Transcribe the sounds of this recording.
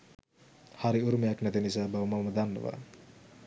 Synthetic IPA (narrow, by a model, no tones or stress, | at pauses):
haɾiuɾumejaknɛt̪enis̬aːbawmawməd̪anːə̰ʋa̰